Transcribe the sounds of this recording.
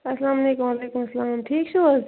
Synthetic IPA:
ɐslaːmɐleːkumaleːkumɐslaːmʈʰiːk̚t͡ʃʰul

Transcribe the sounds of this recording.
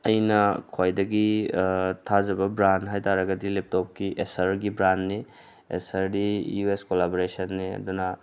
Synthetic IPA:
ɐjnɐkʰojdɐɡi | tʰad͡ʒɐbɐbɾandɦajtʰaɾɐɡɐdilip̚tɔp̚kiʔesɐɾɡibɾandni | ḛsɐɾdijueskolaboɾesɐnːiɐ̰dunɐ

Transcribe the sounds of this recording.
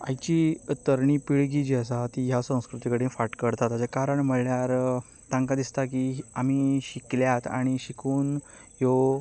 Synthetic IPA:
a̰jt͡ɕit̪əɾɳiːpiɭɡid͡ʑiəs̬at̪ijasə̃w̃skɾut̪ikəɽĩfaʈkəɽt̪at̪at͡ɕakaɾəɳm̤əɭɳjaɾ | t̪ãŋkad̪ist̪ak̬iam̤iɕikljat̪a̰ɽ̃iɕikʰuːn | jo

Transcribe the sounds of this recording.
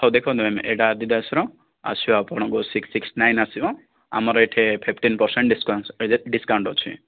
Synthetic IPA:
ɔd̪ekʰɔwd̪emɛmʔeɖad̪id̪asɾɔ̃ | a̰siapɔɽ̃ɔɡosiksiksnajnasibɔ̃ | a̰mɔɾɔeʈʰepʰipʰʈinpɔɾseɳʈskɖiskawɳʈɔt͡ʃʰḭ

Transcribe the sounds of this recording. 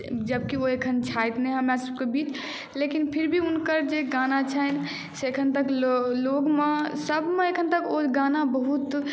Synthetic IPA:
d͡ʒəbkioekʰənt͡ʃʰajt̪neɦəmjasəb̚kebit͡ʃ | lekinpʰiɾbʱiunkəɾd͡ʒeɡanat͡ʃʰən | seekʰənt̪əklloɡmesəbʱmeekʰənt̪əkoɡanabəɦut̪

